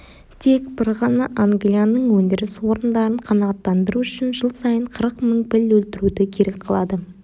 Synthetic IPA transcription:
t̪ʰe̞kbɪɾʁɑnɑʔaŋɡlijanəɴwɵnd̪ɪɾɪswo̞ɾənd̪ɑɾəɴqʰɑnɑʁɑt̪ːɑnd̪əɾuʏʃɪnʒəlˠsɑjəɴqʰəɾəqməɴpɪlwɵlt̪ɪɾud̪ɪkʲʰe̞ɾe̞k̚qʰɑlˠɑd̪ə

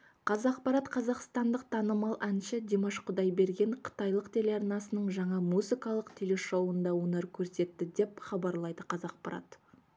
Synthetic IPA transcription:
qʰɑzɑq̚pɑɾɑt̪qʰɑzɑqst̪ɑnd̪əqt̪ʰɑnəmɑlˠʔænʃɪd̪ʲemoʃqʰʊd̪ɑjbe̞ɾɡʲe̞ɴqʰə̥t̪ɑjlˠəqt̪ʰe̞leɑɾnɑsənəɴʒɑɴɑmuzɨkɑlˠəqt̪ʰe̞le̞ʃowənd̪ɑwonəɾkʲʰɵɾse̞t̪ːɪd̪e̞pχɑbɑɾlˠɑjd̪əqʰɑzɑq̚pɑɾɑ̰t̪

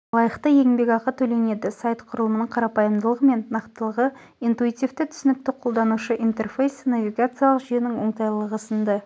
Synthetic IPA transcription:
lˠɑjəqt̪əjeŋbe̞kʲɑqət̪ʰɵle̞ne̞d̪ɪsajt̪qʰʊɾəlˠəmənəɴqʰɑɾɑpɑjəmd̪əlˠəʁəme̞nːɑqt̪əlˠəʁə | int̪uit̪ijvt̪ɪt̪ʰʏ̥sɪnɪk̚t̪ɪqʰo̞lˠd̪ɑnuʃəʔint̪e̞rfejsnavʲiɡat̪sɨjalˠəqʒʏjenɪŋwo̞ɴt̪ɑjlˠəʁəsənd̪ə

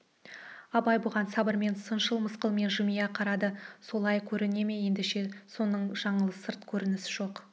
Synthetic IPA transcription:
ɑbɑjbʊʁɑnsɑbəɾme̞nsənʃəlˠməsqəlˠme̞nʒʊmijɑqʰɑɾɑd̪əso̞lˠɑjkʲʰɵɾɪne̞me̞je̞nd̪ɪʃe̞so̞nəɴʒɑɴəlˠəsəɾt̪kʲʰɵɾɪnɪsɪʒo̞q

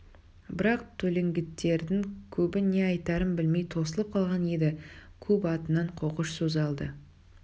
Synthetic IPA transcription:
bɪɾɑq̚t̪ʰɵle̞ŋɡʲɪt̪ːe̞ɾd̪ɪŋkʲʰɵbɪne̞ɑjt̪ɑɾəmbɪlme̞jt̪ʰo̞səlˠəp̚qʰɑlˠʁɑne̞d̪ɪkʲʰɵpɑt̪ənɑɴqʰo̞qəʃsozɑlˠd̪ə

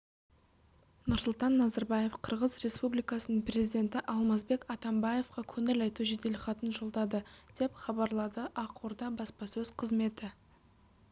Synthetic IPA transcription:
nʊɾsʊlˠt̪ɑnːɑzɑɾbɑje̞fqʰəɾʁəzre̞spublijkɑsənəɴprʲe̞zid̪ʲe̞nt̪ɪʔɑlˠmɑzbe̞kɑt̪ɑmbɑje̞fqɑkʲʰɵŋɪlɑjt̪uʒed̪e̞lɪχɑt̪ənʒo̞lˠd̪ɑd̪əd̪̥e̞pχɑbɑɾlˠɑd̪əʔɑqoɾd̪ɑbɑspɑsɵzqʰəzme̞t̪ɪ

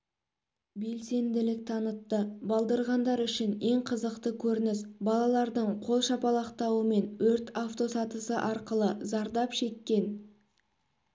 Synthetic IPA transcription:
be̞lse̞nd̪ɪlɪk̚ʲt̪ʰɑnət̪ːəbɑlˠd̪ɑɾʁɑnd̪ɑɾʏʃɪne̞ɴqʰəzəqt̪əkʲʰɵɾɪnɪsbɑlˠɑlˠɑɾd̪əɴqʰo̞lˠʃɑpɑlˠɑqt̪ɑwəme̞nwɵɾt̪aft̪o̞sɑt̪əsəʔɑɾqəlˠəzɑɾd̪ɑpʃe̞kʲːe̞n

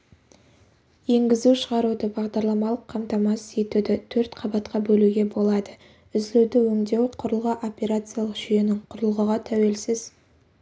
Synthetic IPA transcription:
je̞ŋɡʲɪzuʃəʁɑɾud̪əbɑʁd̪ɑɾlˠɑmɑlˠəqʰːɑmt̪ɑmɑse̞t̪ud̪ɪt̪ʰɵɾt̪qʰɑbɑt̪qɑbɵluɡʲe̞bo̞lˠɑd̪ə | ʏzlewd̪ɪwɵŋd̪e̞wqʰʊɾəlˠʁəʔo̞pʲe̞ɾat̪sɨijalˠəqʒ̥ʏje̞nɪŋqʰʊɾəlˠʁəʁɑt̪ʰæwe̞lsɪz̥

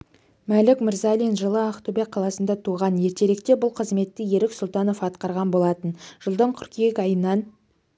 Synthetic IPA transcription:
mælɪkmɪɾzɑlʲinʒəlˠəaqt̪ubʲeq̚qʰːɑlˠɑsənd̪ɑt̪ʰuʁɑnje̞ɾt̪e̞ɾe̞kt̪e̞bʊlˠqʰəzme̞t̪ːɪje̞ɾɪksʊlˠt̪ɑno̞fɑt̪qɑɾʁɑnbo̞lˠɑt̪ənʒ̥əlˠd̪əɴqʰʏɾkʲije̞kʲɑjənːɑn

